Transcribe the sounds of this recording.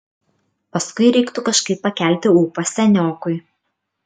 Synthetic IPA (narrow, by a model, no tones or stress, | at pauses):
pɐskʊɪɾʲɛɪkt̪ʊkɐʃkɐɪpːɐkʲæˑlʲt̪ʲɪuːpɐsʲɛnʲoːkʊɪ